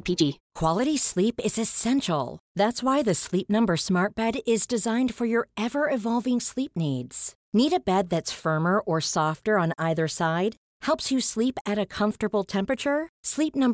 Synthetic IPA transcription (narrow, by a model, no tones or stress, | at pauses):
pʰid͡ʒikʰw̥ɑlˠɨɾislipɪzɨsɛ̃nʃl̩ˠðætswaɪðɨslip̚nʌ̃mbə˞smɑɹt̚b̥ɛɾɪzdɨzãɪ̃nd̥fə˞jə˞ɛvə˞ɪvɑlˠvɪ̃ŋslip̚nidz̥ | niɾɨbɛd̪̚ðɨtsfɜ̃˞mə˞ʔə˞sɔftə˞ə̃naɪðə˞saɪd̚ | hɛlˠpsjɨslipɨɾɨkʰʌ̃ɱftə˞bl̩ˠtʰɛ̃mpɹɨt͡ʃə˞slip̚nʌ̃mb